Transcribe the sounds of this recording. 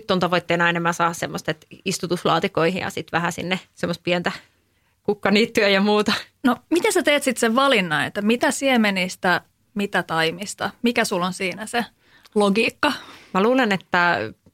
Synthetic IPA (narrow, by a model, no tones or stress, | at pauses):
yt̪ːont̪ɑʋoit̪ːeːnɑenemːæsɑːɑssemːost̪et̪ist̪ut̪uslɑ̰ːt̪ikoihḭjɑ̰sit̪ʋæhæsḭnːesemːˑost̪̚piɛnt̪æ | kukːɑniːt̪ːyæjɑmuːt̪ɑnomit̪esæt̪eːt̪sit̪seʋʋɑlinːɑḛt̪ːæmit̪æsiemenist̪æ | mit̪æt̪ɑimist̪ɑmikæsulːonsiːnæse | loɡiːkːɑmæluːlenet̪ːæ